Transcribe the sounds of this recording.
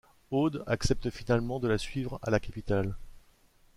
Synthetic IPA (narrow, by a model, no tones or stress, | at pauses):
od̪aksɛp̚t̪finalmɑ̃d̪əlasɥivʁa̰lakapit̪al